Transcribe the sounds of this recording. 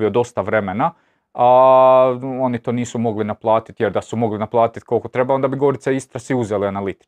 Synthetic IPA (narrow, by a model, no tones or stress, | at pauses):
io̞d̪o̞st̪aʋɾe̞mena | a | o̞nit̪o̞ːniːsumo̞ɡlinaplˠaːt̪i̥t̪je̞ɾd̪asumo̞ɡlinaplˠaːt̪it̪ko̞lˠko̞t̪ɾe̞baond̪abiɡo̞ɾit̪seist̪ɾasiuzelianalit̪i̥